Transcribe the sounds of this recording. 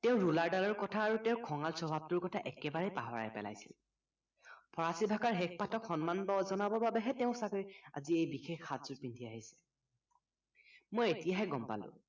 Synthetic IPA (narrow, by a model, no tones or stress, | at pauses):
tɛʊ̃ɹulaɹdalɔɹkɔtʰaːɹutɛ̃ʊ̃kʰɔŋalsɔbʱab̚tʊɹkɔtʰaʔɛkɛbaɹɛpa̰ɦɔɹa̰jpɛ̰la̰jsḭl | pʰɔɹasibʱakaɹɦɛk̚patʰɔkxɔnmanbɔzɔnabɔbabɛɦɛtɛʊ̃sakɔɹia̰ziejbixʰexatzʊɹpintʰiaɦisɛ̥ | mojetijaɦɛɡɔmpa̰lʊ̰̃